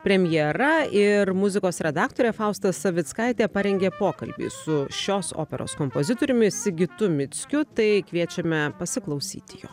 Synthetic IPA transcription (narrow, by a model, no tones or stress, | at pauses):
pʲɾʲɛmʲjɛɾɐɪɾmʊzʲɪkoːsɾʲɛd̪ɑːkt̪oːɾʲɛːfɑʊst̪ɐsɐʋʲɪt̪skɐɪt̪ʲeːpɐɾʲɛŋʲɡʲeːpoːkɐ̰lʲbʲḭːsʊʃʲoːso̰ːpʲɛ̰ɾo̰ːskompozʲɪt̪oːɾʲʊmʲɪsʲɪɡʲɪt̪ʊmʲɪt̪sʲkʲʊt̪ɐɪkʋʲiɛt͡ʃʲɛmʲɛpɐsʲɪklˠɐɒʊsʲḭːt̪ʲɪjo̰ː